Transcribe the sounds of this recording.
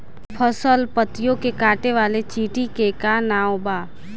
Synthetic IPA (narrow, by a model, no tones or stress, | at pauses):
pʰəsəlpət̪ɪjõkekaːʈeʋaːlet͡ʃiːʈikekanaːobaː